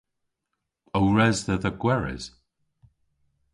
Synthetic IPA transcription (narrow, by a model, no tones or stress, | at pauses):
owɹɛzðəðəɡwɛɹɪ̰z̥